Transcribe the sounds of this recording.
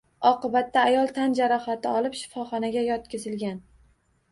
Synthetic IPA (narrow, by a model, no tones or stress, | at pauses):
ɒqɨbat̪ːaːjɒlˠt̪ʰand͡ʒaɾɒχat̪ʰɪɒlˠɪpʃɪ̥fɒχɒnaɡʲajɒt̪kʲɪzɪlɡʲan